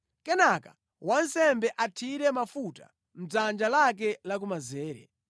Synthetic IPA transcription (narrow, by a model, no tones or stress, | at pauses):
kɛnakḁ | wansɛmbɛʔatʰiɾɛmafuta̰ | m̩b͡ʐand͡ʒalak̬ɛlak̬umazɛːɾɛ̰